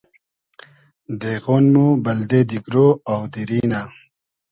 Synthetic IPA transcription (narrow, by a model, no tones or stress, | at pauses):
d̪eɣonmubɐld̪ed̪iɡɾoawd̪iɾiːna